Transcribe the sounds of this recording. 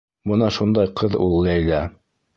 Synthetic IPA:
bɤnɑʃund̪ɑjqɤðṵlˠːɑjlæ

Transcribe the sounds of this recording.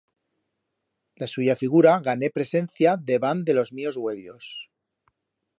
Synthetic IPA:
lasuʝafiɣ̞uɾaɣane̞pɾe̞se̞nθjaðe̞βand̪e̞lo̞zmio̞zɣwe̞ʎo̞s

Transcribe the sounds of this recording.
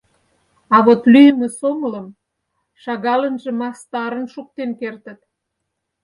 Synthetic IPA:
ɑβot̪lyjəmĕsomələ̆m | ʃɑɣɑlənʒĕmɑst̪ɑɾə̆nʃuk̚t̪enkert̪ə̆t̪̚

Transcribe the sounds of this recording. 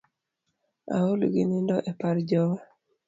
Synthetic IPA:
a̰olɡḭnɪndɔʔɛpaɾd͡ʒɔwa

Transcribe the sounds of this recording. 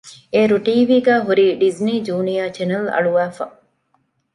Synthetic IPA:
eːɾuʈiːʋiːɡæːɦuɾiːɖizniːd͡ʒuːnijaːt͡ʃenɐlɐ̰ɭuʋæːfɐ̰

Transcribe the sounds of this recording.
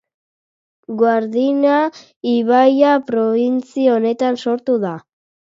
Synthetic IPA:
ɡwaɾðina | iβajapɾo̞βint͡sione̞t̪anso̞ɾt̪uða

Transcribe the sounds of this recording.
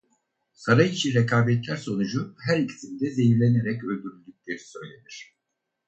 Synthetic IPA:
saɾajit͡ʃʰinɾekʰaːbɛt̪lʲæɾso̞nud͡ʒuhæɾilʲt̪ʰimd̪ɛze̞jiɾlʲe̞ne̞ɾɛcø̞lʲd̪yɾylʲd̪yc̚ʲlʲeɾi̥sø̞jlʲe̞niɾ̝̥

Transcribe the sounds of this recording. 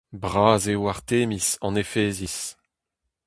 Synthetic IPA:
bʁaːzewaʁt̪eːmisɑ̃nefeːzis

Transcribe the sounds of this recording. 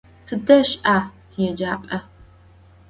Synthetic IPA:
tʰɨdɐʃʔaːtʰijɛd͡ʒaːpʼɐ

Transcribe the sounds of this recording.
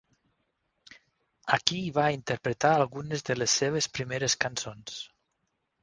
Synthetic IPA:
akiːβaint̪əɾpɾet̪aːlˠɣunezðəlesːeβ̞espɾimeɾeskansons

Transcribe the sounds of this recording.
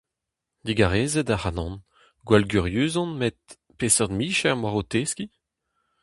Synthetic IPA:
d̪iɡaʁeːzɛd̪ahanɑ̃n | ɡwalɡyʁjyːzɔ̃nmet̪̚ | peːsœʁd̪miːʃɛʁmwaʁot̪eːski

